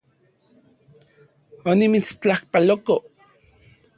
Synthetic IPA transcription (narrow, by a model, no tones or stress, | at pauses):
onimit͡st͡ɬahpaloko